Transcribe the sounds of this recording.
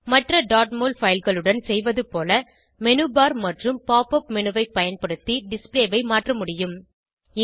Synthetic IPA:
mɐʈrɐɖaːʈmoːlfɐjɪlɣɐɭɯɽɐnsɛjʋɐðɯpoːlɐ | mɛnɯbaːɾmɐʈrɯmpaːpɐpmɛnɯʋɐɪpːɐjɐnpɐɽɯt̪ːiɖɪspleːʋɐɪmaːʈrɐmʊɽɪjɯm | ɪ

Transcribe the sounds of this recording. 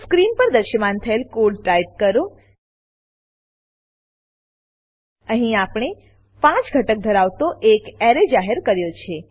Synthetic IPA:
skɾinpəɾd̪əɾʃəmant̪ʰəelkulʈaip̚kəɾo | əɦĩapɳ̃e | pãt͡ʃɡʱəʈək̚d̪ʱəɾaʋt̪oʔekɛɾed͡ʒaɦeɾkəɾjot͡ʃʰe

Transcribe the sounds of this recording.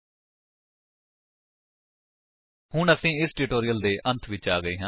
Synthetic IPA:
hʊɳəsĩːɪsʈɪʈoːɾijəld̪eːʔə̃nt̪ʰʋɪt͡ʃaːɡəiːɦãː

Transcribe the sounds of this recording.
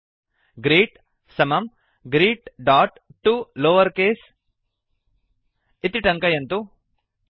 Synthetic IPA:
ɡɾiːʈ | sɐmɐm | ɡɾiːʈɖaːʈʈːuloːʋɐɾkeːs | it̪iʈɐŋkɐjɐnt̪u

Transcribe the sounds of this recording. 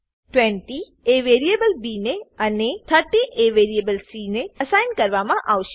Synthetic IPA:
ʈwẽɳʈi | eʋeːɾijebəlbiːneɐnet̪ʰəɾʈiʔeʋeːɾijebəlsiːneɐsaːɪnɖkɐɾʋamãʔaːʋʃ

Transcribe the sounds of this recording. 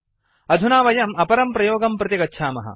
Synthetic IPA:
ɐd̪ʱunaːʋɐjɐmɐpɐɾɐmpɾɐjoːɡɐmpɾɐt̪ikɐtːʃʰaːmɐ̰ɦɐ̰

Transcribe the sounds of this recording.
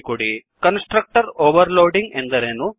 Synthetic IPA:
kuɽikɐnsʈɾɐk̚ʈɐɾoːʋɐɾloːɖiŋɡend̪ɐɾeːnu

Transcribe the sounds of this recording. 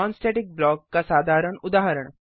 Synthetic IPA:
ɔːnsʈeːʈik̚blɔːkːasaːd̪ʱaːɾəɳʊd̪aːɦəɾəɳ̃

